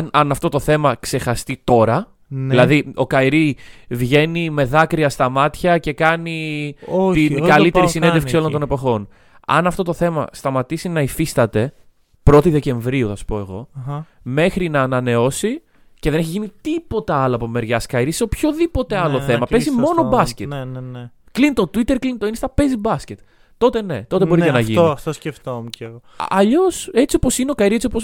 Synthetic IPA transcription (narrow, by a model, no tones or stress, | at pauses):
nɐnɐft̪o̞t̪o̞θe̞mɐkse̞xɐst̪it̪o̞ɾɐ | ilɐðio̞kɐjɾivʝe̞nime̞ðɐkɾiɐst̪ɐmɐt̪çɐce̞kɐni | t̪iɡɐlliteɾissined̪efksiolo̞nd̪o̞ne̞po̞xo̞n | ɐ̰nɐft̪ot̪o̞θe̞mɐ̰st̪ɐmɐt̪isinɐifist̪ɐt̪e̞ | pɾo̞t̪iðe̞ce̞ɱvɾiuθɐsu̥po̞e̞ɣo̞ | me̞xɾinɐːnɐne̞o̞si | ceðene̞çiʝinit̪ipo̞t̪ɐɐlɐpome̞ɾʝɐskɐiɾiseopço̞ðipo̞t̪eɐlo̞θθe̞mɐpe̞zimmo̞nobɐscennn | klint̪ot̪uit̪eɾklint̪oinst̪ɐpe̞zibɐsce̞t̪ː | o̞t̪e̞ne̞t̪o̞t̪ebo̞ɾienɐʝinit̪osceft̪omuceoɐʎose̞t͡siopo̞sineokɐiɾiet͡sio̞pos